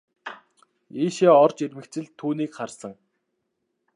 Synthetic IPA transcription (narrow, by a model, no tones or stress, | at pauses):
iːʃeːɔrt͡ɕermɘ̆kt͡sɘ̆ɮt̪ʰːuːniːkχarsə̆ŋ